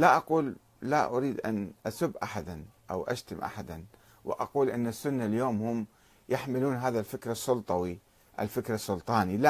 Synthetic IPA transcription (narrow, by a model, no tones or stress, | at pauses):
laʔɑquːlː | aʔʊɾiːd̪ʔa̰nʔasʊbːʔaħad̪ʔa̰wʔa̰ʃt̪amʔa̰ħad̪an | wɪ̰ʔɑquːlʔɪnːasːʊnːaljoːmhʊm | jaħmɪluːnɦaːðalfɪkɾɑsːʊlt̪ˤɑwi | ʔɪ̰lfɪkɾɑsˤːʊlt̪ˤɑːnil